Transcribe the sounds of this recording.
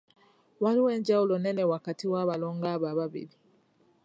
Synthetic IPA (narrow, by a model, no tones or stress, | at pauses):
waɾiwe̞ːɲɟawulo̞ne̞ne̞wakatiwaːβaloːŋɡaːβaβaβḭli